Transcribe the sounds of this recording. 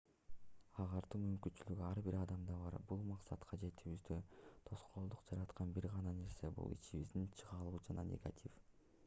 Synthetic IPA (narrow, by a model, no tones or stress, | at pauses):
ɑʁɑɾt̪uːmymkynt͡ʃylyɡyɑɾbiɾɑd̪ɑmd̪ɑβɑɾbulˠmɑqsɑt̪qʰɑd͡ʒe̞t̪ʰyβyzd̪øt̪ʰo̞sqolˠod̪uqd͡ʒɑɾɑt̪qɑnbiɾʁɑnɑne̞ɾse̞bṵlˠḭt͡ʃiβḭzd̪int͡ʃʰɯʁɑlˠuːd͡ʒɑnɑ̰nʲe̞̰ɡa̰t̪ʲʰif